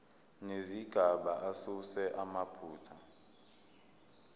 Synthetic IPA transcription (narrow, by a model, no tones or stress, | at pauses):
neziɡ̥ʱaɓaʔasusɛʔamapʰuːtʰa